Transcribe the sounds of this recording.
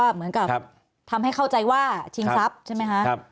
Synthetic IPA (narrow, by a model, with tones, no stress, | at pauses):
a˥˩mɯ˩˦ənka˨˩˧ | t̪ʰa˧mha˥˩jkʰa˥˩wt͡ɕa˧jwaː˥˩t͡ɕʰi˦˥ŋsa˦˥p̚t͡ɕʰjma˦˥jkʰa˦˥ʔ